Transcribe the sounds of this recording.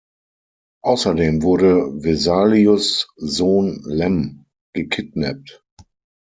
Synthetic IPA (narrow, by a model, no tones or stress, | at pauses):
ʔaʊsɐdeːmvʊɐɾəvezaːliʊszoːnlɛm | ɡ̥əkʰɪt̚nɛp̚t